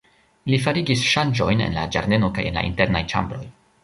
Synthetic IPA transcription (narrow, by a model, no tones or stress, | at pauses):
lifaɾiɡisʃand͡ʒo̞jne̞̰nla̰d͡ʒa̰ɾde̞no̞kaje̞̰nla̰ʔḭnte̞ɾnajt͡ʃa̰mbɾo̞̰j